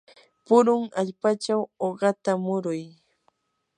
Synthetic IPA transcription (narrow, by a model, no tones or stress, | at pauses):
pʊɾʊŋaʎpat͡ʃawoɢɑt̪amʊɾʊj